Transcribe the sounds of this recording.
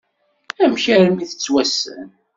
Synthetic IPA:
æmçæɾmiθə̥t͡sːwæsə̰n

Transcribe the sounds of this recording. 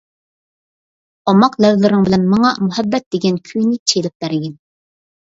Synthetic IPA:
ɑmɑqlɛvlɪɾɪŋbɪlɛnmɑŋɑmuɦɛbːɛt̪̚d̪̥eɡʲɛnkʲʰyjnɪt͡ʃʰelɪp̚b̥æɾɪɡʲɛn

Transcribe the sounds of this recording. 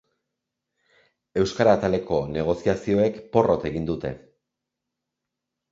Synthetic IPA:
e̞wskaɾaːt̪ale̞ko̞ne̞ɣ̞o̞siasio̞e̞kpo̞ro̞t̪e̞ɣind̪ut̪e̞̰

